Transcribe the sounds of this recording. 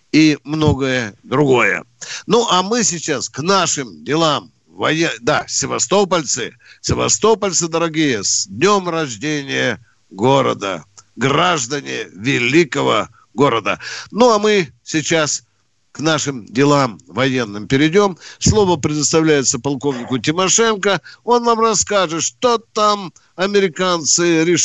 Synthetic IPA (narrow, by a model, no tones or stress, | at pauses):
imno̞ɡəjəd̪ɾʊɡo̞jə̰nuʔɐmɨsʲɪt͡ɕasknaʂɨmdʲɪlˠam | vɐjed̪asʲɪvɐst̪o̞pəlʲt̪sɨ | sʲɪvɐ̰st̪o̞pəlʲt̪sɨd̪əɾɐɡʲijəsʲd̪ʲnʲo̞mrɐʐdʲenʲɪjə | ɡo̞ɾə̰d̪ə̰ɡraʐd̪ənʲɪvʲɪlʲikəvə̰ | ɡo̞ɾəd̪ə̰nuɐmɨsʲɪt͡ɕas | knaʂɨmdʲɪlˠamvɐjenːɨmpʲɪɾʲɪdʲo̞mslˠo̞vəpɾʲɪd̪əst̪ɐvlʲæjɪt̪səpɐlˠko̞vnʲɪkʊt̬ʲɪmɐʂɛnkəo̞nnamrɐskaʐɨt̪ʂt̪ot̪am | ɐmʲɪɾʲɪkant̪sɨɾʲɪ